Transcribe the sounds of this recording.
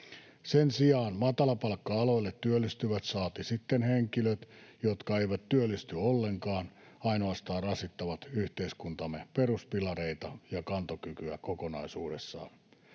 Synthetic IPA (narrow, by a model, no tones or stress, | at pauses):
sensiɑːnmɑt̪ɑlɑpɑlkːɑɑloilːet̪tyølːist̪yʋæt̪sɑːt̪isit̪ːenheŋkiløt̪jot̪kɑeiʋæt̪t̪yølːist̪yolːeŋkɑːn | ɑinoɑst̪ɑːrɑsit̪ːɑʋɑt̪yht̪eiskunt̪ɑmːeperuspilɑreit̪ɑjɑkɑnt̪okykyæ̰kokonɑisuːdesːɑ̰ːn